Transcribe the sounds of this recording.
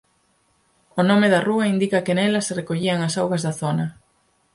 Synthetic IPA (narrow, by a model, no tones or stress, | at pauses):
ʊnõmeðɐruɐind̪ikɐkenɛlɐserekoʎiɐŋasawɣɐzðɐθonɐ